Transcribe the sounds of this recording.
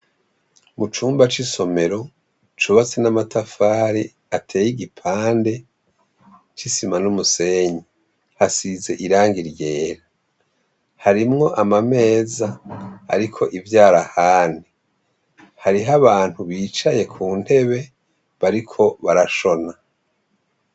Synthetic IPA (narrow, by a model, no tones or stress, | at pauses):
mut͡ʃuːmbat͡ʃiso̞me̞ɾo̞ | t͡ʃuβat͡senamatʰafaːɾi | atʰeːjiɡipʰaːnde̞ | t͡ʃisimanumuse̞ːɲi | hasize̞̰ʔiɾaːŋɡiɾje̞ːɾa | haɾimŋo̞ʔamame̞ːza̰ːɾikʰo̞ʔivjaːɾahaːni | haɾiɦaβaːn̥huβiːt͡ʃaje̞kʰuːn̥he̞βe̞ | βaɾikʰo̞βaɾaʃo̞na